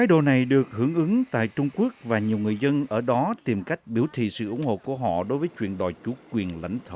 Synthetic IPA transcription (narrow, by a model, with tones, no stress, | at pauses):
xaː˨˦jɗo̰˧˨na˨˩jɗɨ˨˩ək̚hɨ˧˩əŋʔɨ˨˦ŋt̪a̰ː˧˨jt͡ɕʊ˧ŋ͡mku˦˥ək̚vaː˨˩ɲi˨˩əwŋɨ˨˩əjzə˧nʔəː˧˩ɗɔ˨˦t̪i˨˩mka˦˥jk̟̚ɓi˧˩əwt̪ʰḭ˧˨sɨ̰˧˨ʔʊ˧˥ŋ͡mŋho̰˧˨ku˧˩əɦɔ̰˧˨ɗo˨˦jvəː˨˦jt͡ɕwḭ˧˨ənɗɔ̰˧˨jt͡ɕu˧˩˦kwi˨˩ənla̰˧˩jŋ̟t̪ʰəː˨˧˩w